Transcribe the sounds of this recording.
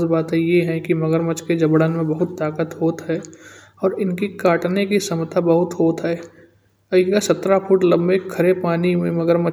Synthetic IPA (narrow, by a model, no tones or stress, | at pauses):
sbaːt̪ẽjeɦɛ̃kimɐɡəɾmət͡ʃked͡ʒɐbɽənmẽbɐɦʊt̪ːaːkət̪ɦoːt̪ɦɛː | ɔːɾɪnkikaːʈnekisɐmt̪ʰabɐɦʊt̪ɦoːt̪ɦɛː | ɐkasɐt̪ɾafʊʈlɐ̃mbekʰɐɾepaːnimẽmɐɡəɾmə